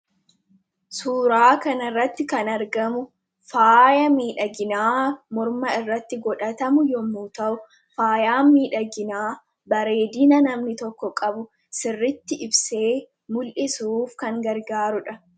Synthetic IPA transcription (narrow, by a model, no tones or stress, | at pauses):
suːɾaːkɐnɐrːɐt̪ːɪkɐnɐɾɡɐmʊ | faːjɐmiːᶑɐɡɪnaːmɔɾmɐɪrːɐt̪ːɪɡɔᶑɐt̪ɐmʊjɔmːuːt̪ɐʔʊ | faːjaːmːiːᶑɐɡɪnaː | bɐɾe̞ːd̪inɐnɐmnɪt̪ɔkːɔkʼɐbʊ | sɪrːɪt̪ːɪʔɪbse̞ː | mʊlʔɪsuːfkɐŋɡɐɾɡaːɾʊᶑɐ